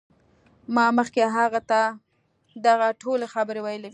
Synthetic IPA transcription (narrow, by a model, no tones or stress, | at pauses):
mɑməxkeɦaɣat̪a | d̪aɣaʈʰolexabəɾewajəlew